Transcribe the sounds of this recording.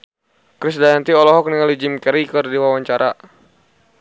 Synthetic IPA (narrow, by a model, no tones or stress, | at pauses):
kɾisdaant̪iɔlɔɦɔk̚niŋalid͡ʒɪmkɛɾikərdiwawaɲt͡ʃaɾʔa